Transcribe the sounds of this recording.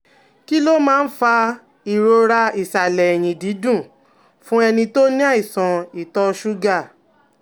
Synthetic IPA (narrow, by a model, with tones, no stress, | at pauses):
ki˦lo˦mãː˦˧n̩˦fa˧ | i˨ɾo˧ɾa˧i˨sa˨lɛ˨j̃ĩ˨di˨˦dũ˦˨ | fũ˦ɛ˧nĩ˧to˦nĩ˦a˦˨i˨sɔ̃˨i˨tɔ˧ʃu˦ɡa˦˨